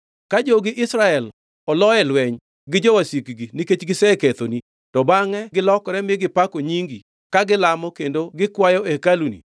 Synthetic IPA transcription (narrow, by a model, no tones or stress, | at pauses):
kad͡ʒoɡɪʔɪsɾaɛl | ɔlɔɛlwɛɲ | ɡɪd͡ʒɔwasikɡiniket͡ʃɡɪsɛket̪oni | tɔbaŋɛɡɪlɔkɾɛmɪɡɪpakoɲiŋɡi | kaɡɪlamɔkendoɡɪkwajɔekalunḭ